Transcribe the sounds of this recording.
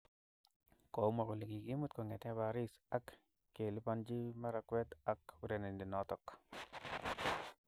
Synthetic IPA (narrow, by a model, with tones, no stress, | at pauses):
kɔ˨u˦mɔ˨ko˨li˨ki˨ki˦mu˦t̪kɔ˨ŋɛ˨tɛ˦ba˨ɾi˦sa˨kː | e˨li˦pa˦nd͡ʒi˦ma˦ɾa˨kwɛ˦t̪a˨kuɾe˨ne˨ndi˨nɔ˦tɔ˨k